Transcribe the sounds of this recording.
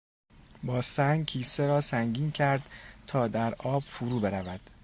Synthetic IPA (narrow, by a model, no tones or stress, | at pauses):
bɒːsæŋɡcʰiːseɾɒːsæŋɟiːncʰæɾd̪̥t̪ʰɒːd̪æɾʔɒːb̥fuɾuːbe̞ɾævæd̪̥